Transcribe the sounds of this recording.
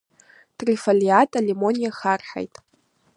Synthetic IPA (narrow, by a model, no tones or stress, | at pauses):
tʰʼrifaliatʼalemo̞nʲijaxarħa̰jtʼ